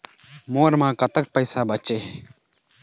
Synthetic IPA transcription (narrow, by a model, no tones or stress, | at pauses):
moːɾmãːkət̪ək̚pəɪsaːbət͡ʃeː